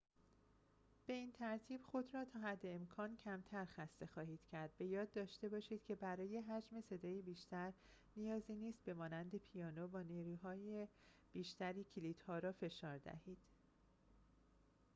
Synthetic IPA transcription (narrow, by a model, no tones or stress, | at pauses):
b̥e̞iːnt̪ʰæɾt̪ʰiːb̥xo̞d̪ɾɒːt̪ʰɒːɦæd̪ːe̞ːmkʰɒːncʰæmt̪ʰæɾxæst̪e̞xɒːhiːd̪̥cʰæɾd̪̚be̞jɒːd̪̚ːɒːʃt̪e̞bɒːʃiːd̪̥cʰe̞bæɾɒːje̞ɦæd͡ʒme̞se̞d̪ɒːjibiːʃt̪ʰæɾ | nijɒːziniːst̪̚be̞mɒːnænd̪e̞pʰijɒːnovɒːniːɾuːɦɒːje | b̥iːʃt̪æɾiːcʰiliːd̪̥hɒːɾɒːfe̞ʃɒːɾd̪æ̰hiːd̪̥